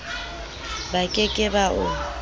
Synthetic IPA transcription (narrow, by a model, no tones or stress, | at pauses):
bakʼɪkʼɪbaʔʊ